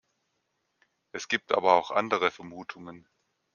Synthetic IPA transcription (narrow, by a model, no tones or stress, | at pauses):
ʔɛsɡ̥iːp̚tʰʔa̰ːbɐaʊxʔa̰ndəʁəfɛɐmuːtʰʊŋən